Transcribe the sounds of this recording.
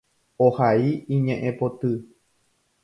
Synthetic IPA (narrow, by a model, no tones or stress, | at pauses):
ohaiĩɲẽʔẽpot̪ɨ